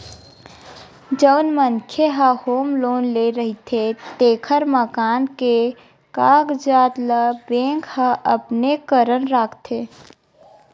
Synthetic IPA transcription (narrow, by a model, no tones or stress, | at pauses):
d͡ʒəʊnmənkʰjeɦəhoːmloːnleɾəɦit̪ʰet̪eːkʰəɾməkaːnke | kaːɡd͡ʒaːt̪ləbẽːŋkhəʔəpnekəɾənɾaːkʰt̪ʰeː